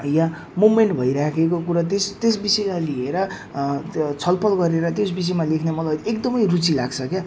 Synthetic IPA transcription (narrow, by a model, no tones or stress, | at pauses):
jã | mumeɳʈbʱʌjɾakʰekokuɾat̪est̪esbisʌmalieɾʌ | t͡sʰʌlpʰʌlɡʌɾeɾʌt̪josbis̬ʌjmalekʰnemʌlajekd̪ʌmʌjrut͡silaɡt͡sʰʌkja